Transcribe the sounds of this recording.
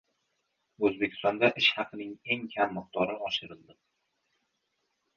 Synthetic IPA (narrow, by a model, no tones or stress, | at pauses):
ɵzbekʲʰɪ̥st̪ɒnd̪aʔɪʃhɑqʰɨnɪŋe̞ŋkʲʰamːɨq̚t̪ɒɾɪɒʃɪɾɪlˠd̪ɪ